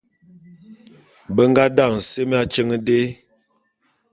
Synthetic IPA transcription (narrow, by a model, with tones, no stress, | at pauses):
bə˦ŋɡa˦da˦˨ŋ̩˨se˦m˦a˦t͡ʃə˦ŋə˦de˦